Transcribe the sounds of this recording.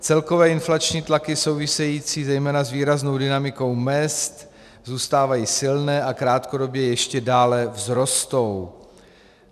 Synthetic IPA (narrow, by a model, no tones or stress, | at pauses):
t͡sɛlko̞vɛːɪnflat͡ʃɲiːt̪lakɪso̞wvɪsɛjiːt͡siːzɛjmɛːnazviːɾaznowdɪnamɪko̞wmɛst̪ | zuːst̪aːvajiːsɪlnɛːʔakɾaːt̪ko̞do̞bjɛjɛʃcɛdaːlɛvzɾo̞st̪o̞w